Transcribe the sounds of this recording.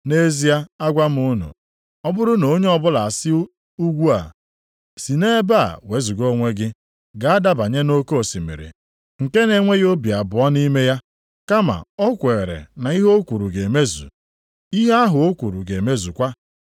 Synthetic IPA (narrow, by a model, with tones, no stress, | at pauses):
ne˦zi˦a˦a˦ɡʷa˦m̩˦u˦nṵ˨ | ɔ˦bʊ˦ɾʊ˦no˨˦ɲe˦ɔ˦bʊ˦la˨a˨sɪ˦ | u˦ɡʷu˦a̰˨ | si˨ne˦ba̰˦˨we˨˦zu˨ɡo˦ŋʷe˦ɡɪ˦ | ɡa˨a˦da˦ba˨ɲe˦no˦ko˦˨si˨mḭ˨ɾḭ˨ | ŋ̩˨ke˦ne˦ŋʷe˦ɣo˦bi˨a˨bʊ˨ɔ˦ni˦me˦ja˦ | ka˦ma̰˨ɔ˦kʷe˨ɾḛ˨na˨i˦ɦo˦kʷu˨ɾu˨ɡe˨me˦zṵ˨ | i˦ɦe˦a˦ɦʊ˨o˦kʷu˨ɾṵ˨ɡe˨me˦zu˨kʷa˦